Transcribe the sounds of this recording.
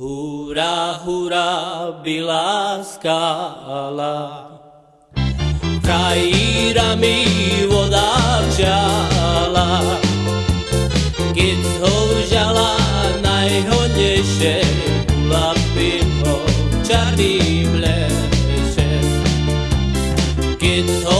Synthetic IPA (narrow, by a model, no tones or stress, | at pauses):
huɾaɦuɾabilaska | la | kɾaiɾamiʋɔd̪aʒa | la | ɡɛt̪hoɾʒalanajɦoɲɛʃɛ | lapimɔt͡ʃaɾimlɛ | ʃɛ | ɡ̥ɛt | ɔ